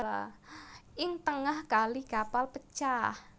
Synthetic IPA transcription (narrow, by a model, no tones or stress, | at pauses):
ʔɪŋt̪əŋahɡaliɡ̥apalpət͡ʃah